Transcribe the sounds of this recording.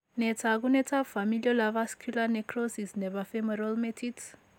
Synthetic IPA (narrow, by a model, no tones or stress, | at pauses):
nɛtʰaɣunɛtʰafamiliɔlavaskulanekɾosisnɛβafemeɾalmetʰits